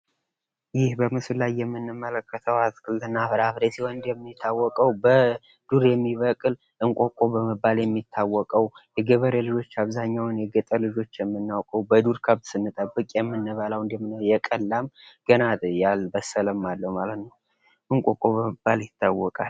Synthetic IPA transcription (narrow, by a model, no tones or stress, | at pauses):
jɪhbəmɨsɨllajːɛmːɨnːɨmːələkːət̪ʰəwat̪kʼɨlɨnːafɨɾafɾesihoɨnd̪jɛmːɪt̪ʰːawːɔkʼəwbə | d̪̥uɾjɛmːiβəkʼɨl | ʔɨŋkʼo̞kʼo̞bəməbaljɛmːit̪ʰːawːɔkʼəwjɛɡəβəɾelɨd͡ʒo̞t͡ʃːaβzaɲːawnjɛɡət̪ʼəlɨd͡ʒo̞t͡ʃːjɛmːɨnːawkʼəwbəd̪uɾkʰəβsɨnːɨt̪ʼəbːɨkʼjɛmːɨnːɨβəlawɨnd̪jɛmːjɛkʼəlːamɡ̥ənat̪jalbəsələmːalːəwmalət̪nəw | ʔɨŋkʼokʼo̞bəməbaljɪt̪ʰːawːɔkʼal